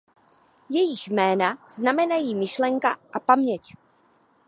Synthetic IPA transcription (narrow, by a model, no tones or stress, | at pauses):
jɛjɪxmɛːnaznamɛnajiːmɪʃlɛŋkaʔapamɲɛc